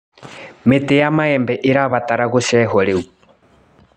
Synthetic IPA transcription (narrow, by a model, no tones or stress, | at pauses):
metejamaɛmbɛʔeɾaβataɾaɣoʃɛɦɔɾeu